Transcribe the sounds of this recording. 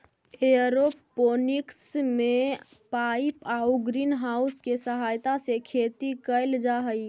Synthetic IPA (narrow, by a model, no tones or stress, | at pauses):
eɾopːonɪksmẽ | paɪpauɡɾiːnɦauskesəɦaːjt̪asekʰeːt̪ikəɪld͡ʒaɦəi